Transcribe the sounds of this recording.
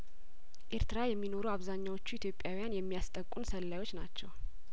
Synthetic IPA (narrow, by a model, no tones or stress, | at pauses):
ʔeɾt̪ɨɾajɛmːino̞ɾuaβzaɲːawo̞t͡ʃːuit̪ʰjo̞pʼjawijanjɛmːijast̪ʼəkʼːunsəlːajwo̞t͡ʃːnat͡ʃːɛw